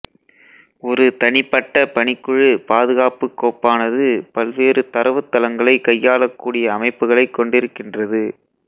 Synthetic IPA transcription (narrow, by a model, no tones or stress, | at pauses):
ɔɾɯt̪ɐɳɪpːɐʈːɐpɐɳɪkːɯɻɯpaːðɯɣaːpɯkːoːpːaːnɐðɯpɐlʋeːɾɯt̪ɐɾɐʋɯt̪ːɐlɐŋɡɐɭɐɪkːɐjːaːɭɐkːuːɽɪjɐːmɐɪpːɯɣɐɭɐɪkːɔɳɖɪɾɯkːɪndrɐðɯ